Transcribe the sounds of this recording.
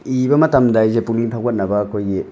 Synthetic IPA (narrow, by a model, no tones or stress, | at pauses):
ibɐmɐtɐmdajzepuŋniŋtʰawkʰɐt̚nɐbɐːkʰojɡi